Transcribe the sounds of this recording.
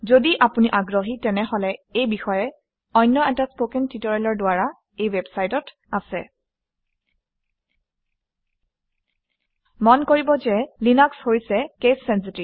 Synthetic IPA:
zodiʔapuniʔaɡɹoɦitɛnɛɦɔlɛejbixɔjɛ | ɔjnːɔɛtaspokɛntitoɹalɔɹdʊaɹa | ejwɛbsajtɔt | asɛ | mɔnkoɹibɔzɛlinakshojsɛkesːɛns̬itɹi

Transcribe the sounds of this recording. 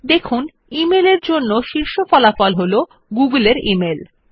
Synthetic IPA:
d̪ekʰun | imeleɾd͡ʑonːoʃiɾʃofɔlafɔlɦolo | ɡuɡuleɾimel

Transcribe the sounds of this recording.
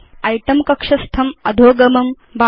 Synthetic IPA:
ɐjʈɐmkɐkʂɐst̪ʰɐmɐd̪ʱoːɡɐmɐm | ba

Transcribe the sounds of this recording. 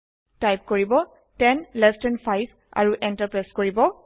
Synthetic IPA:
tajp̚koɹibɔ | tɛnlɛstɛnfʰajbʱ | a̰ɹuʔɛntəpɹɛskoɹibɔ

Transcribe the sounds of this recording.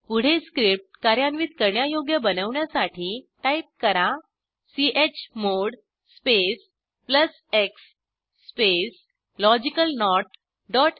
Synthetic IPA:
puɽ̤eskɾip̚ʈkaɾjanʋiːt̪̚kəɾɳjajoɡjəbənəʋɳjasaʈʰiːʈaip̚kəɾa | siʔet͡ɕmoɽ | spes | pləs | eksː | pes | lɔd͡ʑikəlnɔʈ | ɖɔʈ

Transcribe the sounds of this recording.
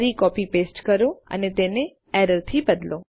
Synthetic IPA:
ɾikɔpipesʈkəɾoə̰net̪ene | ɛɾəɾt̪ʰibəd̪lõ

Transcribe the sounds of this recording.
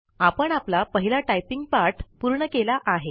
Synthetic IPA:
apəɳaplapəɦilaʈajpiŋɡpaɾʈʰpuɾɳəkelaʔaɦe

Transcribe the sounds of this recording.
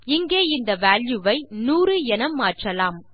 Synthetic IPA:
ɪŋɡeːɪnd̪ɐʋaːljuʋɐɪnuːɾɯɛnɐmːaːʈrɐlaːm

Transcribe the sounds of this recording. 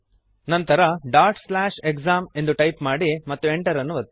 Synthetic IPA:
nɐnt̪ɐɾɐɖaːɾʈslaːʃekzaːme̞nd̪uʈɐjpmaːɽimɐt̪ːue̞ɳʈɐɾɐnːuʋɐt̪ː

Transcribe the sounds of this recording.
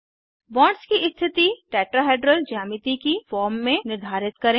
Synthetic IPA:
bɔ̃ːɳɖskiʔɪst̪ʰɪt̪iʈɛːʈɾaɦeːɖɾəld͡ʒaːmɪt̪ikifɔːɾmːẽnɪɾd̪ʱaːɾɪt̪kɐɾẽ

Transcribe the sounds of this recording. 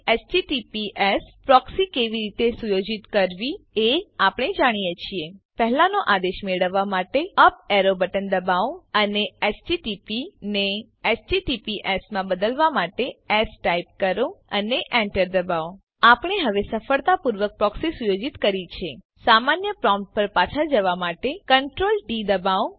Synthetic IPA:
esd͡ʒiʈipiʔespɾɔksikeʋiɾit̪esujod͡ʒit̪kəɾʋieapɳ̃ed͡ʒaɽ̃ijet͡ʃʰiepəɦlãnoʔad̪eʃmeɭəʋːamaʈeəpeɾobəʈənd̪əbaʋəneesd͡ʒiʈipine | esd͡ʒiʈipiʔesmãbəd̪əlʋamaʈeesʈaip̚kəɾõəneʔɛ̃ɳʈəɾd̪əbaʋ | apɽ̃eɦəʋesəfəɭt̪apuɾʋək̚pɾɔksesujod͡ʒit̪kəɾit͡ʃʰe | samanjəpɾɔ̃mʈ̚pəɾpat͡ʃʰəd͡ʒəʋamaʈekəɳʈɾolɖid̪əbaw

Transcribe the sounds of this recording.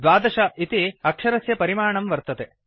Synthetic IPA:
d̪ʋaːd̪ɐʃɐit̪iɐkʂɐɾɐsjɐpɐɾimaːɳɐmʋɐɾt̪ɐt̪e

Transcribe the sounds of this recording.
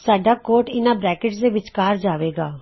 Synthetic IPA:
saːɖaːkoːʈɪnãːbɾɛːkɪʈsd̪eːʋɪt͡ʃkaːɾd͡ʒaːʋeːɡaː

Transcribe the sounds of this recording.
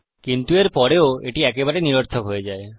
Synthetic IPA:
kint̪ueɾpɔɾeoeʈiɛkebaɾeniɾoɾt̪ʰokɦoed͡ʑae

